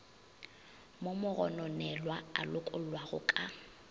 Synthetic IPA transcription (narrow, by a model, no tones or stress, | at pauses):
momʊɣɔ̰nɔnɛlwaa̰lʊkʼʊl̩lwaɣʊ̰kʼa